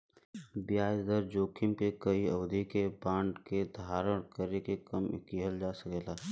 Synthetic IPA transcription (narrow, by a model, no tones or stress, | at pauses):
bjaːjd̪əɾd͡ʒoːkʰɪmkekəiəʋd̪ʱikebãːɳɖked̪ʱaːɾəɽ̃kəɾekekəmkiɦəld͡ʒaːsəkeːlaː